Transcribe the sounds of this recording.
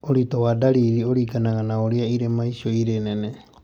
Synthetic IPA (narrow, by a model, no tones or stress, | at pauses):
oɾitowadaɾiɾioɾiɡanaɡanaoɾiaiɾemaisioiɾenene